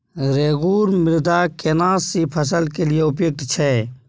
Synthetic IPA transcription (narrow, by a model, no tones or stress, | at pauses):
ɾeːɣuːɾmɪɾd̪akenaːsːipʰəsəlkelieʊpjoɡ̚t̪t͡ʃʰɛː